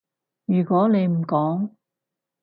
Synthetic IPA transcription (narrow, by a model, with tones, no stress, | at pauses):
jyː˨˩kɔː˨˥ne˨˧jm̩˨˩kɔː˨˥ŋ